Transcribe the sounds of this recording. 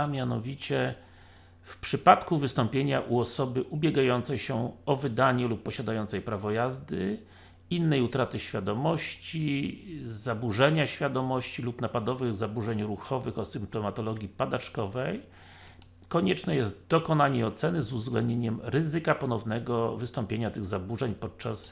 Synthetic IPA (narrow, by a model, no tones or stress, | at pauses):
amʲjanɔvʲit͡ɕɛ | fpʂɘpat̪kuvɘst̪ɔmpʲjeɲaʔuɔsɔbɘʔubʲjɛɡajɔnt̪sɛjɕɛɔvɘd̪aɲɛlupːɔɕad̪ajɔnt̪sɛjpɾavɔjazd̪ɘ | inːɛjut̪ɾat̪ɘɕfʲad̪ɔmɔɕt͡ɕi | zabuʐɛɲaɕfʲjad̪ɔmɔɕt͡ɕilupnapad̪ɔvɘɣzabuʐɛɲɾuxɔvɘxɔsɘmp̚t̪ɔmat̪ɔlɔɡʲjipad̪at͡ʂkɔvɛj | kɔɲɛt͡ʂnɛjɛst̪d̪ɔkɔnaɲɛɔt̪sɛnɘzuvzɡlɛnd̪ɲeɲɛmɾɘzɘkapɔnɔvnɛɡɔvɘst̪ɔmpʲjeɲat̪ɘɣzabuʐɛɲpɔt̪̚t͡ʂas